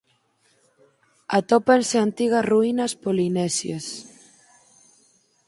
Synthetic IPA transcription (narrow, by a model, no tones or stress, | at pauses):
at̪opanseant̪iɣɐsruinɐspolinɛsjas